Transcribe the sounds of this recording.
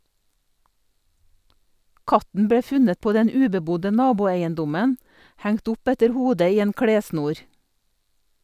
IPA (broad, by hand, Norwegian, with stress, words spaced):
ˈkɑtn̩ ˈbɽeː ˈfʉnət ˈpoː ˈdɛn ˈʉːbəˌbʊdə ˈnɑːbʊeɪənˌdʊmən ˈhæŋt ˈʊp ˈɛtəɾ ˈhuːdə ˈiː ˈeːn ˈkɽeːˌsnuːɾ